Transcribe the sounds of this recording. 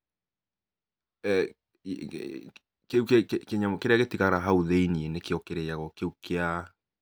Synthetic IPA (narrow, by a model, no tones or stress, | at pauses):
keukekeɲakeɾeaɣetiɣaɾaɦauðeinienekeɔkeɾejaɣɔkeukea